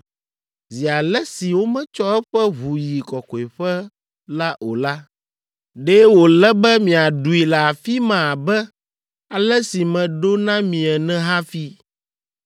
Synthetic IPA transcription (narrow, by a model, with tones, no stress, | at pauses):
zi˨a˨lɛ˦si˨wo˦mɛ̃˦t͡ʃɔ˦ɛ˦ɸɛ˦βu˨ji˨kɔ˨kɔ˨i˨ɸɛ˦ | la˦ʔo˨la˦ | ɖɛ˦wo˨lɛ˦bɛ˦mĩ˨a˨ɖu˨i˨la˨a˨fi˦mã˨a˨bɛ˦ | a˨lɛ˦si˨mɛ̃˨ɖo˦nã˦mĩ˨ɛ˨nɛ̃˦ɦa˦fi˦